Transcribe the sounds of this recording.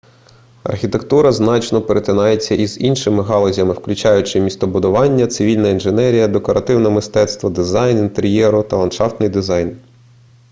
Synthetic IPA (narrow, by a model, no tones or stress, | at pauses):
ɐ̰rxʲit̪e̞kt̪uɾɐznɑt͡ʃnɔpeɾet̪ʲɪnɑjet͡sʲːɐʔizinʃɪmɪɦɑlˠɔzʲɐmɪwklʲʊt͡ʃɑjʊt͡ʃɪmʲist̪ɔbʊd̪ʊʋɑnʲːɐt̪sɪʋʲilʲnɐinʒenɛɾʲijɐd̪ekɔɾʔɐt̪ɪwnɛmɪst̪ɛt̪st̪ʋɐd̪ɪzɑjnint̪eɾʲjɛɾʊt̪ɐlˠɐnʃɑft̪nɪjd̪ɪzɑjn